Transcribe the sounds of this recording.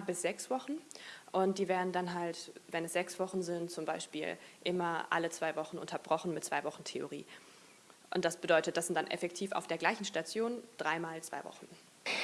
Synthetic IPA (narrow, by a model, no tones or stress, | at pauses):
bɪsz̥ɛksv̥ɔχn̩ʔʊntd̥iːveːɐdn̩danɦaltvɛnɛsz̥ɛksv̥ɔχn̩zɪntt͡sʊmbaɪʃpḭːlʔɪmɐʔa̰lət͡sv̥aɪvɔχn̩ʔʊ̰ntʰɐbʁɔχn̩mɪt̚t͡sv̥aɪvɔχn̩tʰeo̰ʁḭː | ʔʊnt̚d̥asb̥ədɔʏtət̚d̥asz̥ɪntd̥anʔɛ̰fɛktʰiːfa̰ʊfd̥eːɐɡlaɪçn̩ʃtat͡sjoːnd̥ʁaɪmaːlt͡sv̥a̰ɪvɔ̰χn̩